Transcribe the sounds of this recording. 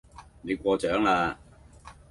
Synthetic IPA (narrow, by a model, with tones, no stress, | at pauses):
ne˨˧jkʷɔː˧t͡ʃœː˨˥ŋaː˧